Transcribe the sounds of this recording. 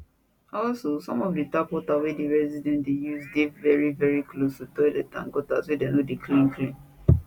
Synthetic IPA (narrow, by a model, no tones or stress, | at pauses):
ɔlsosɔ̃mɔfditapɔtawɛdiɹɛzidɛ̃ntdejuzdevɛɹivɛɹikʰlostutɔdetã̰ŋɡɔta̰swɛdenodeklĩnklĩn